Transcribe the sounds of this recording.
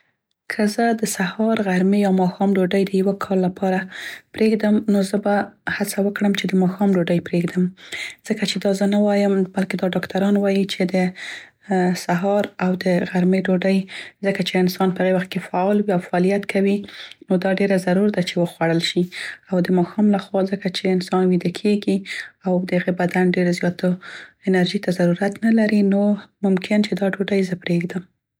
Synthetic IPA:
kʰəzəd̪əsahɑɾɣaɾmejɑmɑxɑmɖoɖəjd̪əjawəkʰɑlːapʰɑɾapɾeɡd̪əmnozəbahat͡sawəkɽəmt͡ʃed̪əmɑxɑmɖoɖəjpɾeɡd̪əmz̥əkat͡ʃed̪ɑzənawɑjəmbalked̪ɑɖɑkt̪aɾɑnwɑjit͡ʃed̪ə | saɦɑɾawd̪əɣaɾmeɖoɖəjzəkat͡ʃeɪnsɑnpəhaɣewaxt̪̚kefaɑlwiawfaɑlijat̪kʰawinod̪ɑɖeɾazaɾuɾad̪at͡ʃewəxwaɽəlʃiawd̪əmɑxɑmlaxwɑzəkat͡ʃeɪnsɑnwid̪əkʰeɡiawd̪əhaɣebad̪anɖeɾzjɑt̪aɪnaɾʒit̪azaɾuɾat̪nalaɾinomʊmkʰɪnt͡ʃed̪ɑɖoɖəjzəpɾeɡd̪əm

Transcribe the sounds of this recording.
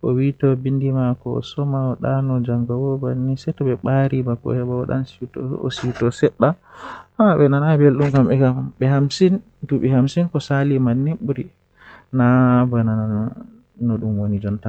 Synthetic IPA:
kɔ̰witɔbindimakɔ̰sɔmaɔɗanɔd͡ʒaŋɡawɔbanːisɛtɔɓɛɓaɾibakɔ̰hɛbaaɗa̰nsitɔ̰ɔ̰sitɔsɛɗːa | habɛnanabelɗumkamɛkaɓɛhamsin | tuɓɛhamsinkɔsalimanːiɓuɾi | nabanana | nɔɗumwonid͡ʒɔnta

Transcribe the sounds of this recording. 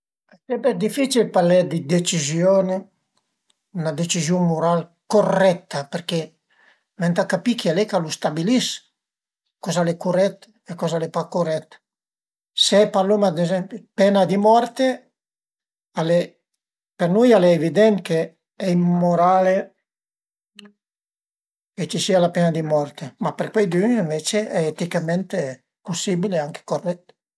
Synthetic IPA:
ɛsɛmpɛd̪ifit͡ʃilpaɾlɛd̪id̪et͡ʃizjoːne | unad̪et͡ʃizjummoɾal | korɛt̪ːapeɾke | mɛnt̪akapikialɛkalust̪abilis | kɔzalekurɛt̪ː | ekɔzalepakorɛt̪ | seɛpaɾlomad̪ezɛmpjupɛnad̪imɔɾt̪e | ale | peɾnujalɛevid̪ɛnke | ɛimːoɾale | ket͡ʃisiːalapɛnad̪imɔrt̪emapeɾkwejd̪yniɱvet͡ʃeʔɛet̪ikamɛnt̪e | pusibileaŋke̥korːɛt̪ː

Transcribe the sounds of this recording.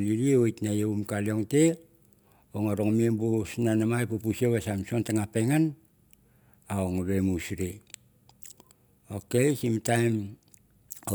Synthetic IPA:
liɾieojtnajeumkalio̞ŋte | oŋaɾoŋmiembusnanamajpupusieβasamsontaŋapeŋan | aoŋβemusɾe | okesimtajm | o

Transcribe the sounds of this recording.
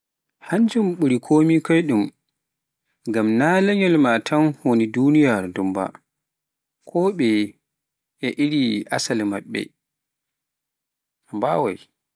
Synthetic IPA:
haɲd͡ʒumɓuɾikʰoːmikɔjɗum | ŋɡamnalɛɲɔlmatʰanhonidunijaɾdumba̰ | kʰɔɓɛ | ʔɛʔiɾiʔasalmaɓːɛ̰ | mbawa̰j

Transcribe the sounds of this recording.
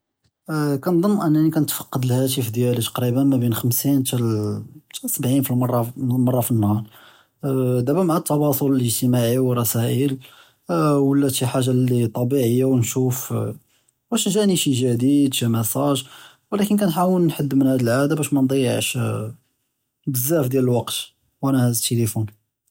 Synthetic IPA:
kænd̪ˤəmːʔənːænikænət̪fɑ̥qːɑd̪lhæt̪̬ifd̪jælit̪ɑ̥qɾibənmæbinxəmsint̪æt̪səbʕinfilmɑrˤːɑmɑrˤːɑfinːhɑɾˤ | d̪æbæmʕat̪ːɑwɑsˤolələʒt̪əmaʕiwərˤːɑsæʔəl | wəlːæt̪iħaʒːalːit̪ˤːɑbiʕəjːawnʃuf | bæʃʒæʔniʃiʒæd̪id̪ʃimæsæʒ | wəlækənkænħawəlnħəd̪ːmənhæd̪əlʕad̪abæʃmænd̪ˤəjːəʕʃ | bəzːæfd̪jæləlwɑqt̪ | wʔænæhæd̪t̪elifun

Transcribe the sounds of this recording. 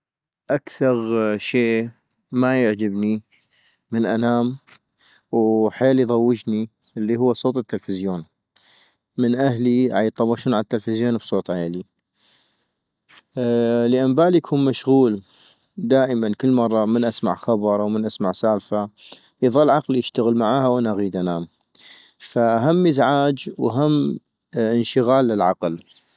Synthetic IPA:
ʔakθɑɣʃeː | majəʕd͡ʒɪbni | mənʔanaːm | wħeːlijðˤɑwːɪd͡ʒni | ʔɪlːiɦʊwːasˤoːt̪ˤɪt̪ːɪlfɪzjoːn | mɪnʔaɦliʕajt̪ˤːɑbɑʃuːnʕaat̪ːɪlfɪzjoːnbsˤoːt̪ˤʕajli | liʔambaːljakʰuːnmaʃɣuːl | d̪aːʔəmankəlːmɑrˤːɑmənʔasma̰ʕxɑbɑɾˤʔawmənʔasmaʕsaːlfa | iðˤɑlʕɑqlijɪʃt̪aɣəlmaʕaːhawʔanaʔaɣiːd̪ʔanaːm | faʔaɦamːəzʕaːd͡ʒwaɦamː | ʔɪnʃəɣaːlːɪlʕɑql

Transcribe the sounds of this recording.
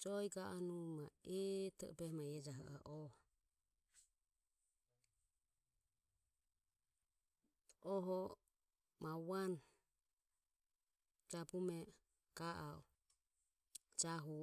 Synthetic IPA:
d͡ʒɔiɡaʔanumaɛt̪ʰɛ̰ʔɔ̰bɛhmajɛd͡ʒaɦa̰ʔaʔɔ | ɔɦɔ | mawan | d͡ʒabumɛ | ɡ̥aʔaɔ | d͡ʒaɦu

